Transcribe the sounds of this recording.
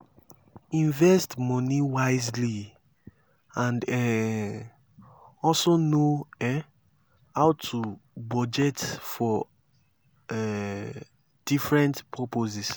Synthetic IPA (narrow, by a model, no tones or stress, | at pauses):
ĩɱvɛstmɔ̃niwaɪzli | ãndɛ | ɔlsonoɛ | aʊtʰubɔd͡ʒɛtfɔ | ɛ | d̥ifɹɛ̃ntpʰɔpozis